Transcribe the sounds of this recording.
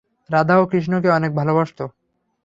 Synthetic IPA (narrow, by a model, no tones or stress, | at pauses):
ɾad̪ʱaokɾiʃ̬nok̬eɔnek̚bʱalobaʃt̪o